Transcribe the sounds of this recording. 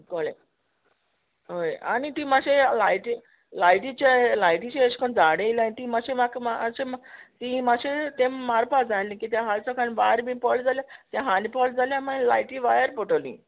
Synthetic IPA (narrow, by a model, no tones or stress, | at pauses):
koɭḛ̃ | ɦoja̰nit̪imaɕelajʈi | lajʈit͡ɕelajʈit͡ɕeeɕkənd͡zaɽelanit̪imaɕẽmakmaɕemt̪imaɕet̪ẽmːaɾpad͡zalĩkit̪jãɦalt͡səkʰanbaɾmĩpɔld͡zaljat̪jãɦanipɔld͡zaljamalajʈiʋajəɾpɔʈolḭ̃